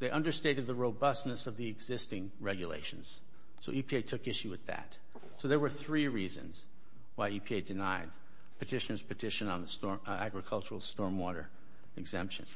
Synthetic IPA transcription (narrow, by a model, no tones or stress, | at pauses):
ðeɪʔʌ̃ndə˞steɪɾɨd̪̚ðəɹoʊbʌsnɨsʌvðiɨɡzɪstɪ̃ŋ | ɹɛɡjɨlḛɪʃɨ̃n̩z̥ | soʊʔipʰieɪtʰʊkɪʃʉwɨðɨ̰t | soʊðə˞wə˞θɹiɹizɨ̰̃nz̥ | waɪipʰieɪdɨnaɪd̚ | pʰɨtʰɪʃɨ̃nə˞z̥pʰɨtʰɪʃɨ̃nə̃nðəstɔ | æɡɹɨkʰʌlˠt͡ʃə˞l̩ˠstɔɹmwɔɾə̰˞ | ɨɡz̥ɛ̰̃mpʃɨ̰̃n